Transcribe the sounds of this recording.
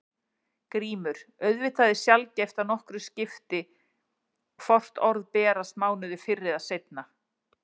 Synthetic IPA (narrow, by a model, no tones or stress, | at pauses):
kɾiːmʏɾ̥œɥðvɪt̪aðɪsjalcɛjft̪anɔhkɾʏscɪft̪ɪ | fɔr̥t̪ɔɾðpɛːɾasmaːwnʏðɪfɪrːɪðaðsejt̪̚na